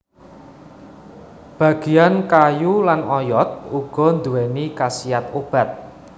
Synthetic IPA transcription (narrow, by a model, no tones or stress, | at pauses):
b̥ä̤ɡ̥e̤jankajulanɔjɔt̪̚uɡ̥ɔ̤nd̪uwɛnikasijat̪ob̥a̤t̪̚